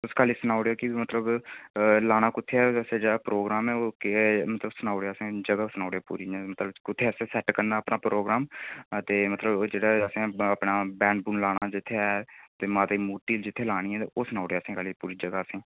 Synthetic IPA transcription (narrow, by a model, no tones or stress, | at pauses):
ʊskaːliːsənaːʊɽjaːkɪmət̪ləb | laːɽ̃aːkʊt̪ʰːeɛːəsẽd͡ʒeːɽaːpɾoːɡɾaːmɛːokmət̪ləbsənaːɽejːsẽːd͡ʒəɡaːsənaːɽjaːpṵːɾiːɛ̃ːmət̪ləbkʊt̪ʰːeːsẽːsɛːʈkənd̪aːəpnaːpɾʔoːɡɾaːmt̪eːmət̪ləbd͡ʒeːɽaːəsẽːəpɳaːbɛːɳɖbuːnlaːɽ̃aːd͡ʒɪt̪ʰːeɛːt̪eːmaːt̪iːmuːʈiːld͡ʒɪt̪ʰːeːlaːɽ̃ĩːɛːt̪eːoːsənaːʊɽejːsẽːkaːliːpuːɾiːd͡ʒəɡaːəsẽː